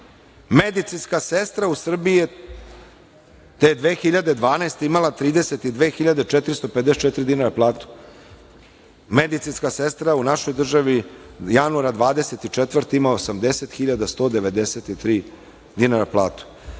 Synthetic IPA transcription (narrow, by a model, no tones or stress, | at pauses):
med̪it̪sinskasest̪ɾausr̩biie | t̪ed̪ʋe̞ːxiʎad̪ed̪ʋaːnaest̪imalat̪ɾiːd̪e̞set̪id̪ʋeːxiʎad̪et͡ʃet̪ɾist̪oped̪eset͡ʃet̪ɾid̪inaɾaplˠaːt̪u̥ | med̪it̪sinskasest̪ɾaunaʃo̞jd̪r̩ʒaʋijanuaɾad̪ʋaːd̪eset̪it͡ʂet̪ʋɾt̪imaosamd̪eset̪xiʎad̪ast̪o̞ːd̪e̞ʋe̞d̪eset̪it̪ɾiː | d̪inaɾaplˠaːt̪u̥